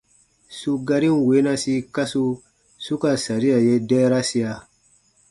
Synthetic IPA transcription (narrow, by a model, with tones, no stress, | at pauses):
su˦ɡa˧ɾĩ˦n˨we˨˦na˧si˧˦ka˦su˦ | su˦ka˨sa˨ɾi˦ja˨je˦dɛː˦ɾa˦si˦ja˧